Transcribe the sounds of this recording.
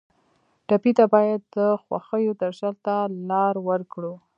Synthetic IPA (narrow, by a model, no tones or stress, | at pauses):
ʈapit̪abɑjad̪ːəxwa̰xəjod̪aʒalt̪alɑɾwəɾkɽu